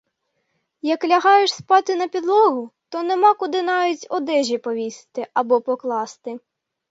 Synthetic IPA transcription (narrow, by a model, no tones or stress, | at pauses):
jɐklʲɐɦɑjeʃspɑt̪ɪnɐpʲid̪lˠɔɦʊt̪ɔnemɑkʊd̪ɪnɑjʊtʲɔd̪ɛʒʲipɔʋʲist̪ɪʔɐbɔpɔklˠɑst̪ɪ